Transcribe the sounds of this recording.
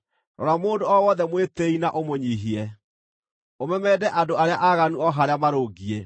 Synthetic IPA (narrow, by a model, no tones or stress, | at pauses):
ɾɔ̰ɾamoːndoɔwɔðɛmweteinaʔomoɲiɦiɛ | omɛmɛdɛʔadoaɾeaʔaɣanuɔɦaɾeamaɾoːɡie